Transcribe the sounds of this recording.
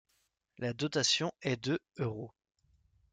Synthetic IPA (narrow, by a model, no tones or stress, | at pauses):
lad̪ɔt̪asjɔ̃ɛd̪əøʁo